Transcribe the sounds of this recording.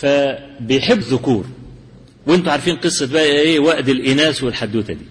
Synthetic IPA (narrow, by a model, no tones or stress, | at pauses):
fæbɪjħɪbːðːʊkuːɾ | wɪnt̪ʊʕaɾˤfiːnqɨsˤːɑbæʔheːwæʔd̪ɪlʔɪnæːswɪlħad̪ːuːt̪æd̪iː